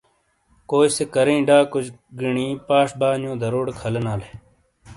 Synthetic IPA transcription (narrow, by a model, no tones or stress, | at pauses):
koːjsekɐɾĩːɖaːkud͡ʑɡiɳĩːpaːʂbaːnjõːd̪ʱɐɾoːɽkʰɐlenaːle